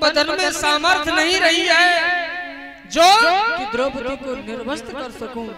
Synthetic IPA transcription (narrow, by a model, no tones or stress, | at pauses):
bəd̪ʱənmẽsaːməɾt̪ʰnəɦĩɾəɦiaːɦe | d͡ʒoːɪd̪ɾoːbt̪ikonɪɾʋəst̪kəɾsəkũ